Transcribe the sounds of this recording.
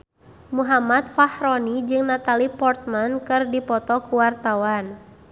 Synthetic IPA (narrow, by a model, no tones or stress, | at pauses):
muɦamat̪̚fahɾɔnid͡ʒɨŋnat̪alipɔrt̪̚mankɨrdipɔt̪ɔkuwart̪awan